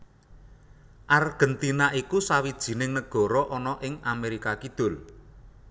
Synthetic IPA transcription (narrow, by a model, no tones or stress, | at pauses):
ʔarɡ̥ə̤nt̪inaʔikusawid̥ʒ̥i̤nɪŋnəɡ̥ɔ̤ɾɔʔɔnɔʔɪŋameɾikakid̪̥ʊ̤l